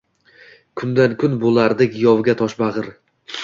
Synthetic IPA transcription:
kʰʊnd̪ankʰʊnbolˠaɾd̪ɪkʲjɒwɡʲat̪ʰɒʃbɑʁɨɾ

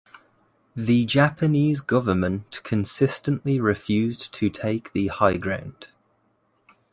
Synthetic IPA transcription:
ðəd͡ʒapʰəniːzɡʊvəmə̃nʔkʰə̃nsɪstə̃nʔliɹɪfjʉːztʰətʰeɪk̚ðəhaɪɡɹã̰ʊ̃nd̥

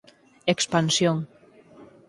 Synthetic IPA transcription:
ekspansjoŋ

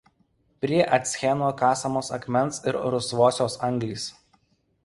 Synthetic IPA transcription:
pʲɾʲiɛʔɐt̪ʲsʲxʲɛnoːkɑːsɐmoːsɐkmʲɛnsɪɾɾʊsʋoːsʲoːsɐŋɡlʲiːs

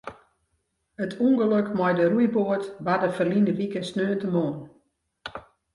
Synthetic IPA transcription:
ətʰuŋɡəløkmɔjdərujboətbadəfərlindəʋikəsnøːəntəmoən

